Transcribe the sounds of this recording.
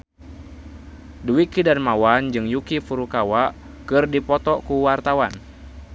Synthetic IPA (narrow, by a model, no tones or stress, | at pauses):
duikidanmawand͡ʒɨŋjukifuɾukawaʔ | kɨrdipɔt̪ɔkuwart̪awan